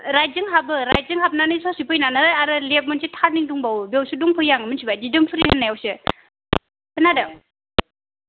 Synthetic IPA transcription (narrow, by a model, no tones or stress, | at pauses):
ɾaj̚zɯŋɦabɯɾaj̚zɯŋɦap̚nanɯjsɔsipʰɯjnanaɾajaɾɯlep̚mɯnsitʰaɾniŋduŋbawbewsuduŋpʰɯjːaŋɯmɯnsibajdidɯmpʰɯɾihanːajawsɯ | ɯnadɯŋ